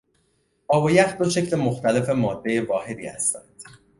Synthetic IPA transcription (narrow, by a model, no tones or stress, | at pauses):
ʔɒːvojæxd̪oʃe̞clemoxt̪ʰæle̞fe̞mɒːd̪̥ːe̞jevɒːhe̞d̪ḭːhæ̰st̪ænd̪̥